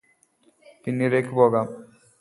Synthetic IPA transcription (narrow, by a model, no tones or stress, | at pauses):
t̪inːiɾekʰbɔɡam